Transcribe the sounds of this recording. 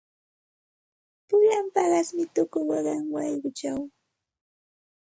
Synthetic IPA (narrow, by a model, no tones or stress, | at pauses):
pʊʎampɑɢɑsmɪt̪ʊkʊjwɑɢɑŋwɑjɢʊt͡ʃaw